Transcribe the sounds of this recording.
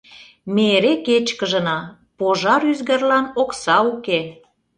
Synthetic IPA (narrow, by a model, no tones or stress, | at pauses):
meɾeket͡ɕkəʒə̆nɑ | poʒɑɾyzɣə̆rlɑnoksɑuke